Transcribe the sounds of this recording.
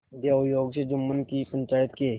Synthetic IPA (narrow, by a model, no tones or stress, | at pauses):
d̪jajoːɡt͡ʃed͡ʒʊmːənkipə̃ɲt͡ʃaːjət̪ke